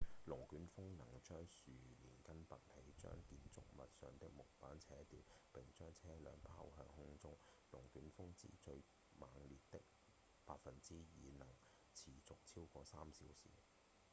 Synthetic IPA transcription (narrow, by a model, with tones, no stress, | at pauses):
lʊ˨˩ŋkyː˨˥nfʊ˥ŋnɐ˨˩ŋt͡ʃœː˥ŋsyː˨˩liː˨˩nkɐ˥npɐ˨t̚he˨˥jt͡ʃœ̰ː˥ŋkiː˧nt͡sʊ̰˥k̚mɐ˨t̚sœː˨ŋt̪ɪ˥k̚mʊ˨˩k̚paː˨˥nt͡sʰɛː˨˥t̪iː˨wpɪ˨ŋt͡ʃœː˥ŋt͡sʰɛː˥lœː˨˧ŋpʰaː˥wɦœː˧ŋhʊ˥ŋt͡sʊ˥ŋ | lʊ˨˩ŋkyː˨˥nfʊ˥ŋt͡sḭː˥t͡ʃɵ˧ɥ | maː˨˧ŋliː˨tt̪ɪ˥k̚ | paː˧t̚fɐ˨nt͡siː˥jiː˨˧nɐ˨˩ŋ | t͡sʰiː˨˩t͡sʊ˨k̚t͡sʰiː˥wkɔː˧saː˥msiː˨˥wsḭː˨˩